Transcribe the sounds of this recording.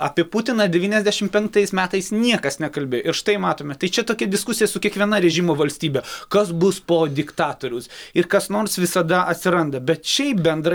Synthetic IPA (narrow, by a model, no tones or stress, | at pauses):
ɐpʲiɛput̪ʲɪnɐd̪ʲɛʋʲiːnʲɛzʲd̪ʲæʃʲɪmpʲɛŋk̚t̪ɐɪsmʲæːt̪ɐɪsnʲiɛkɐsnʲɛkɐlʲbʲeːjoɪɾʃt̪ɐɪmɑːt̪oːmʲɛt̪ɐɪt͡ʃʲɛt̪oːkʲɛd̪ʲɪskʊsʲɪjɛsʊkʲiɛkʋʲiɛnɐɾʲɛʒʲimoːʋɐlʲsʲt̪ʲiːbʲɛkɐsbʊspoːd̪ʲɪkt̪ɑːt̪oːɾʲʊsɪɾkɐsnoːrsʋʲɪsɐd̪ɐʔɐt̪ʲsʲɪɾɐnd̪ɐbʲɛt̪ʃʲɛɪpbʲɛnd̪ɾɐ